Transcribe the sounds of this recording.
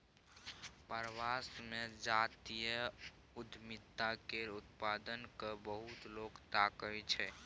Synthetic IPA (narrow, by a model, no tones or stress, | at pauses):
pəɾʋasmed͡ʒat̪ijə | ud̪ʱmit̪ːakeɾut̪pad̪ənkəbəɦut̪lokt̪akəjt͡ʃʰɛ